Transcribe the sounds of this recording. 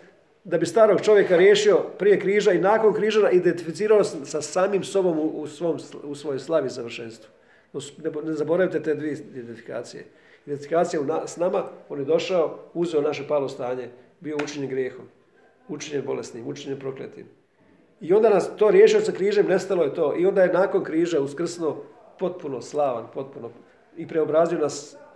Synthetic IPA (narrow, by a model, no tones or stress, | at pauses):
d̪abist̪aːɾo̞ɡ̚t͡ʃo̞ʋje̞kaɾjeːʃio̞pɾije̞kɾiːʒainaːko̞nkɾiːʒanaid̪ent̪ifit̪siːɾalossasaːmiːmso̞bo̞muusʋomsusʋojojslˠaʋisaʋr̩ʃeːnst̪ʋu̥ | nosnenezabo̞ɾajit̪et̪eːd̪ʋiedent̪ifika̰ːt̪sijḛ | id̪ent̪ifikaːt̪sijaunasnamao̞ːnjed̪o̞ʃaouzeonaʃ̬epaːlˠost̪aːɲe̞ | bio̞ut͡ʃiɲenɡɾjeːxom | ut͡ʃiɲenbo̞lesnimut͡ʃiɲenpɾo̞klḛt̪ḭm | io̞nd̪anast̪o̞ːɾjeʃio̞sakɾiːʒemne̞st̪alo̞jet̪o̞ːʔio̞nd̪ajenaːko̞nkɾiːʒeuskr̩sno | po̞t̪̚puno̞slˠaʋanpo̞t̪̚puno | ipɾeobɾaːzijo̞nas